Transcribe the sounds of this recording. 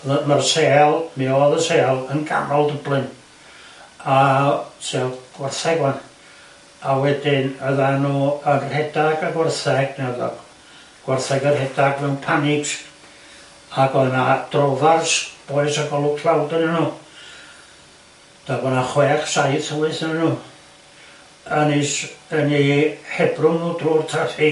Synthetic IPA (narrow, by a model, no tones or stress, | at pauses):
ðmarseːlˠmiɔðəseːɛlˠənɡa̰nɔlˠdəblˠɨn | asɛɡ̥warθɛɡwan | awɛdɪnəðanuːənrhɛdaɡaɡwɛrθɛɡ̥nəða̰ | ɡ̥warθɛɡərhɛdaɡmɛwnpʰanɪɡs | aɡɔnad̥rɔðarsb̥ɔɨsaɡɔlˠʊ̥kʰlawdənɛnuː | d̥abɔnaχwɛːχsajtəwɨθnɛnnuː | ənisənihɛbrʊnnuːdruːrtʰafɪ